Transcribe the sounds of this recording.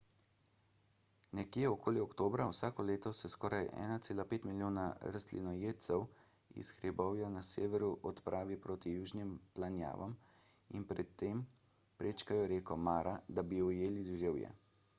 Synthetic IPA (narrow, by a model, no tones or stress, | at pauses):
nɛkjɛɔkoːliɔkt̪oːbɾawsaːkɔleːt̪ɔsɛskɔːɾajɛ̰ːnat̪seːlapeːt̪miljoːnaɾast̪lḭnɔjeːt̪sɛw | ḭsxɾɛbɔwjanaseːʋɛɾuʔɔt̪pɾʔaːʋipɾoːt̪ijuːʒnimplanja̰ːʋaminpɾɛt̪ːeːm | pɾet͡ʃkajɔɾeːkɔmaːɾad̪abiɔjeːlid̪ʒewjɛ̰